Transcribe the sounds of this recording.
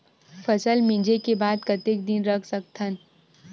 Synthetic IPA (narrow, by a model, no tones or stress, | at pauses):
fʰəsəlmɪ̃d͡ʒekebaːd̪kɐt̪ɪk̚d̪ɪnɾɐkʰsəkt̪ʰən